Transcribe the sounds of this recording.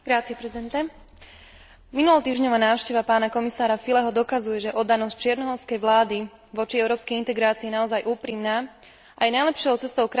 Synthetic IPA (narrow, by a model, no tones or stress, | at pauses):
ɡ̥ɾat͡siɛpɾɛzid̪ɛnt̪ɛ | minulɔʊt̪iːʒɲɔʋaːnaːʊʃcɛʋapaːnakɔmisaːɾafilɛɦɔd̪ɔkazujɛʒɛʔɔd̪anɔsc̚t͡ʃɪɛɾnɔɦɔɾʊskɛjʋlaːd̪i | ʋɔt͡ʃiɛʊɾɔːpskɛjint̪ɛɡɾaːt͡siɛnaɔzajʔuːpɾimnaː | ʔajɛnajlɛpʃɪɔʊt͡sɛst̪ɔʊkɾ